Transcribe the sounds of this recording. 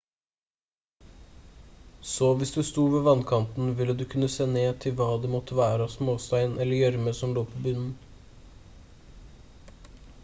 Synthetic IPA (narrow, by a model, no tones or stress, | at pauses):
soːʋɪsd̪ʉst̪uːʋeːʋɑnkʰɑnt̪n̩ʋɪlːəd̪ʉːkʰʉnːəseːneːt̪ʰɪlʋɑːd̪eːmɔt̪ʰəʋæːɾəɑːsmoːst̪æɪnɛlːəjœɾməsɔmloːpʰoːbʉnn̩